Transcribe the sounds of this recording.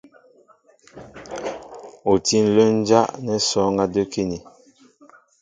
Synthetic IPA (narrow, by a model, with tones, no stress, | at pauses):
o˨ti˦n̩˨lə˦n̩˦d͡ʒa˦ʔnɛ˨sɔ˨˦ŋɡa˦də˦ki˦ni˨